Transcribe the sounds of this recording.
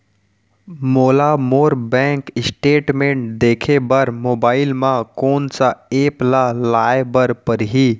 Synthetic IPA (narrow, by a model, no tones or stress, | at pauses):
moːlamoːɾbɛ̃ːŋkɪsʈeːʈmẽːɳʈd̪eːkʰebəɾmoːbaːɪlmãkoːnsaeːplalaːebəɾpəɾɦi